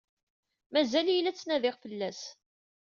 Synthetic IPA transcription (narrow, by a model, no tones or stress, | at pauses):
mæzæljəlːæt͡sːnæðɪʁfəlːæs